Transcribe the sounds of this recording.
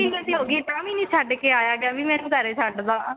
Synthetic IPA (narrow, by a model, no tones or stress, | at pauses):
iːkəd̪iːɦoːɡiːʈãːmĩːnĩːt͡ʃʰaːɖkeːaːjaːɡɪaːbiːmɛ̃ːnũd̪əːɾeːt͡ʃʰaɖd̪aː